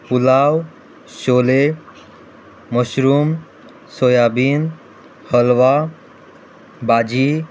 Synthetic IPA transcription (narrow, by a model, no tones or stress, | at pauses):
pulaːw | ʃoːle | məɕɾuːm | sojaːbiːn | həlʋa | baːd͡ʑi